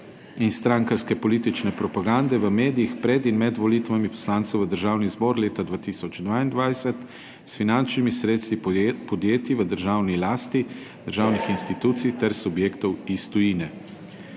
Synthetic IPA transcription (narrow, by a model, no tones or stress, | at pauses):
inst̪ɾaŋkaɾskɛpɔliːt̪it͡ʃnɛpɾɔpaɡand̪ɛʋəmeːd̪ijixpɾɛd̪inmɛd̪ʋɔliːt̪ʋamipɔ̥slaːnt̪sɛwvəd̪əɾʒaːwnizbɔːɾleːt̪ad̪ʋaːt̪isɔd͡ʒd̪ʋaːind̪ʋajsɛt̪ | sfinant͡ʃnimisɾeːt̪st̪ʋipɔd̪jeːt̪iʋəd̪əɾʒaːwnilaːst̪i | d̪̥əɾʒaːwnixinst̪it̪uːt̪sijt̪ɛɾsubjeːkt̪ɔwist̪ɔjiːnɛ